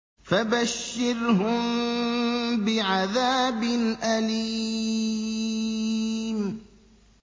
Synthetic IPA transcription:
fabaʃːɪɾɦʊm | bɪʕaðaːbɪnʔaliː | m

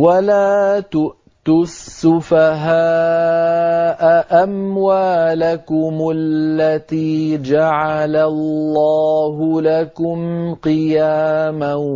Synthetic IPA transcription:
walaːt̪ʊʔ | t̪ʊsːʊfaɦaː | ʔaʔamwaːlakʊmʊlllːat̪iːd͡ʒaʕalalːaːɦʊlakʊmqɨjaːma

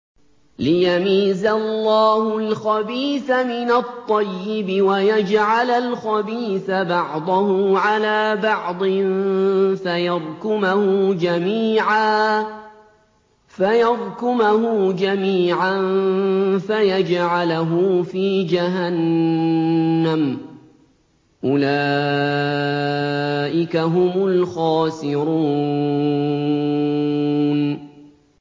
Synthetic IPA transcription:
lɪjamiːzalːɑːhʊlxɑbiːθamɪnat̪ˤːɑjːɪbɪwajad͡ʒʕalalxɑbiːθabɑʕd̪ˤʊhʊʕalaːbɑʕd̪ˤɨnfajɑðˤkʊmahʊd͡ʒamiːʕaː | fajɑðˤkʊmahʊd͡ʒamiːʕan | fajad͡ʒʕalaɦʊfiːd͡ʒaɦan | am | ʔʊlaː | ʔɪkaɦʊmʊlxɑːsɪɾuː | n

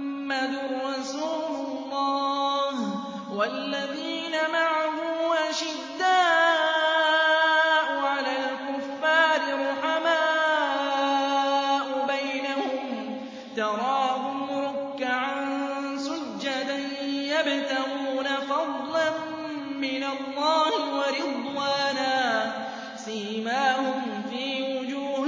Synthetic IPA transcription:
mːad̪ɾˤɑsuːlʊlːɑːh | walːaðiːnamaʕahʊːʔaʃɪd̪ːaː | ʔʊʕalaːlkʊfːaːɾɪɾʊħamaː | ʔʊbajnahʊm | t̪ɑɾˤɑːbʊlɾʊkːaʕansʊd͡ʒːad̪a | jabt̪aɣuːnafɑd̪ˤlanː | ɪnalˤːɑːhɪwɑɾɪd̪waːnaː | siːmaːhʊmfiːwʊd͡ʒuː

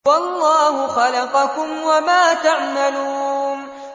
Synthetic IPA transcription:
wɑlːɑːhʊxɑlɑqɑkʊmwamaːt̪aʕmaluːn

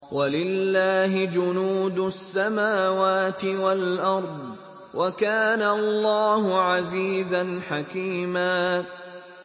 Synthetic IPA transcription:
walɪlːaːɦɪd͡ʒʊnuːd̪ʊsːamaːwaːt̪ɪwalʔɑɾˤd̪ˤ | wʔakaːnaɑlːɑːhʊʕaziːzanħakiːmaː

